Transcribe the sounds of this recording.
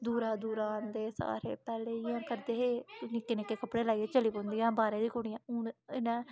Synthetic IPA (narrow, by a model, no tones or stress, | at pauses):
d̪uːɾaːd̪uːɾaːnd̪eːsa̰ːɾḛːpɛːleːɪjãːkəɾd̪eːɦeːnɪkːeːnɪkːeːkəpːɽeːlaːieːt͡ʃəliːpõːnd̪iːãːbaːɾeːd̪iːkʊɽ̃ijãʊnɪnɛ̃ː